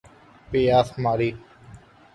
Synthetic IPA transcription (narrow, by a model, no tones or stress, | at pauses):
peaːsmaːɾiː